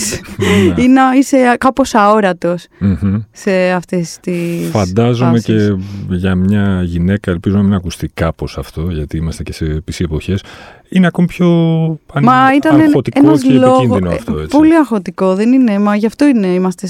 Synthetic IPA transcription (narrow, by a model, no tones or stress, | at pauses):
s | inɐise̞kɐpo̞sɐo̞ɾɐt̪o̞s̩ː | eɐft̪est̪ifɐnd̪ɐzomece̞ʝɐmɲɐʝine̞kɐelpizonɐminɐkust̪ikɐpo̞sɐft̪o̞ʝɐt̪iimɐst̪e̞ce̞sepisie̞poçe̞s | ineɐko̞mipço̞ɐmɐit̪ɐneot̪ienɐzloinɣoðinoɐft̪oet͡spo̞liɐxo̞t̪iko̞ðe̞nine̞mɐʝɐft̪o̞ine̞imɐst̪e